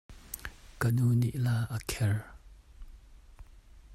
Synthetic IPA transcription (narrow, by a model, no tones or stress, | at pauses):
kənuniʔlaːʔəkʰɛr